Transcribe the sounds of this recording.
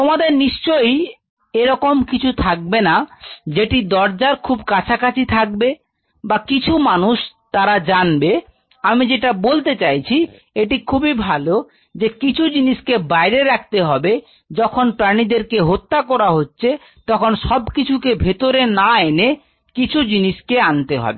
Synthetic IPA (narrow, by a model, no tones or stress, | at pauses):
t̪omad̪eɾniʃt͡ɕoj | eɾɔkomkit͡ɕʰut̪ʰak̚benad͡ʑeʈid̪ɔɾd͡ʑaɾkʰubkat͡ɕʰakat͡ɕʰit̪ʰak̚be | bakit͡ɕʰumanuʃt̪aɾad͡ʑanbe | amid͡ʑeʈabolt̪et͡ɕajt͡ɕʰi | eʈikʰubibʱalo | d͡ʑekit͡ɕʰud͡ʑiniʃkebajɾeɾak̚ʰt̪eɦɔbe | d͡ʑɔkʰonpɾanid̪eɾkeɦot̪ːakɔɾaɦotːɕʰe | t̪ɔkʰonʃɔbkit͡ɕʰukebʱet̪oɾenaene | kit͡ɕʰud͡ʑiniʃkeant̪eɦɔ̰be